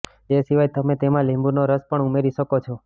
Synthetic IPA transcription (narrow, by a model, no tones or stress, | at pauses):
esiʋajt̪əmet̪emãlɛ̃mbuɾnoɾəspəɳumeɾiʃəkot͡ʃʰo